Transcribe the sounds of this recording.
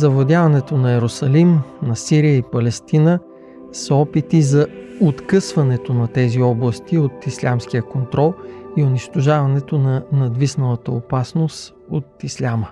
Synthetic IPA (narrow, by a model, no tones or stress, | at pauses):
zɐvod̪ʲjavɐnɛt̪onɐɛɾosɐlimnɐsiɾijəipɐlɛst̪inə | sɔpit̪izɐot̪kɤsvɐnɛt̪onɐt̪ɛziɔblˠəst̪iot̪islʲamskijəkont̪ɾɔlˠioniʃt̪oʒavɐnɛt̪onɐnɐd̪visnəlˠət̪əopasnost̪ | o̰t̪islʲamə